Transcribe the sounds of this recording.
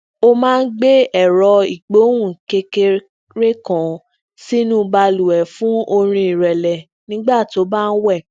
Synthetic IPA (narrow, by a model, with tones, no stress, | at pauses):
o˦mãː˦˧n̩˦ɡ͡be˦ɛ˦˨ɾɔ˧i˨ɡ͡bo˨˦w̃ũ˦˨ke˧ke˧ | ɾe˦kã˨ | si˦nũ˦ba˧lu˨ɛ˨fũ˨˦o˧ɾ̃ĩ˧i˨ɾɛ˨lɛ˨ | nĩ˨˦ɡ͡ba˦˨ti˨o˨˦ba˦˧n̩˦wɛ˦˨